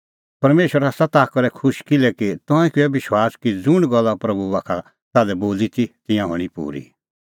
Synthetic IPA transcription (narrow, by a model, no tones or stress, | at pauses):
pɐɾmeːʃəɾasat̪aːkɔɾɛkʰʊʃkɪlɛkit̪ɔ̃ãɛ̃kɪɛbɪʃwaːskid͡zʊɽ̃ɡɔlːapɾɐbuaːkʰa | saːlɛboːlit̪ʰit̪ɪ̃jãɦɔ̰ɽ̃ipṵːɾḭ